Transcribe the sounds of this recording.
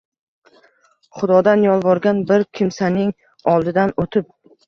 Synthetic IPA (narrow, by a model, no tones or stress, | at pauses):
χʊd̪ɒd̪anjɒlˠvɒɾɡʲanbɪɾkʲʰɪmsanɪŋ | ɒlˠd̪ɪd̪anot̪ʰɪp̚